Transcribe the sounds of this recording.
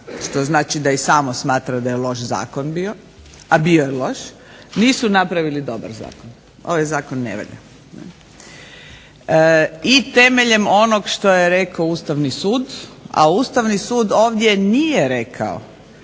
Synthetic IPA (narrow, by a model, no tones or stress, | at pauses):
ʃt̪oznaːt͡ʃid̪aisaːmosmaːt̪ɾad̪ajelo̞ʃza̰ːkonbio̞ | abiojelo̞ʃ | niːsunapɾaʋilid̪o̞ba̰ɾza̰ːkon | o̰ʋajzaːkonːḛʋa̰ʎa̰ | nɛ̰ | it̪e̞meʎe̞mo̞noɡʃt̪o̞jeɾe̞kaouːst̪aʋnisuːd̪a̰ust̪aʋnisuːd̪o̞ːʋd̪je̞nijeɾekʰa̰o̰